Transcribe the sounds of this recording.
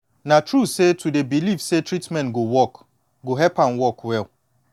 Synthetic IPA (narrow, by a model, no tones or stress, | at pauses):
natɹusetʰudebilifsetɹitmɛ̃nɡowɔk | ɡoɦɛpãnwɔkwɛl